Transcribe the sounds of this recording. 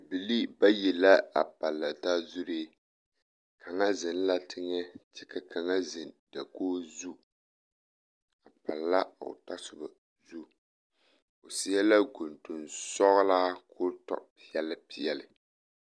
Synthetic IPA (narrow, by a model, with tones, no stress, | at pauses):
bi˨li˦ba˦jɛ˨la˦a̰˨pa˨lːa˨da˦zu˦ɾe˦ | kʰa˨ŋa˦zɨ˨n˦la˦tʰɪ˦ŋɛ˦t͡ʃɛ˦ka˦kʰa˨ŋa˦zɨ˨nda˨koː˦zu˦ | a˨pa˨lːa˦o̰˨ta˦sʊ˨ba˨ | zu˦ | o˨si˦a˦la˦ɡo˨ntu˨nsɔ˦ɣlaː˦kʰo˦tɔ̰˨pi˦jɛ˦lɨ˦pi˨jɛ˨lɨ˨